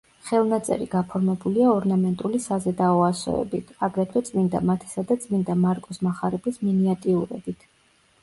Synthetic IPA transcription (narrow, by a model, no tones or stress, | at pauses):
χɛlˠnat̪sʼɛ̰ɾḭɡ̥apʰɔɾmɛbuliaɔɾnamɛnt̪ʼulisazɛd̪aɔasɔ̰ɛ̰bit̪ʰaɡɾɛt̪ʰwɛt̪sʼmind̪a̰mat̪ʰɛ̥sad̪at̪sʼmind̪amaɾkʼɔsmaχaɾɛbisminiat̪ʼiuɾɛ̰b̥it̪ʰ